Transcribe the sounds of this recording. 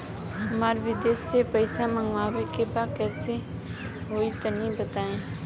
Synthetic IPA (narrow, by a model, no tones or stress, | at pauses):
ɦəmaːɾʋɪd̪eːsepəɪsãməŋɡʋaːʋekebakɛːse | ɦoːit̪ənĩbət̪aːẽː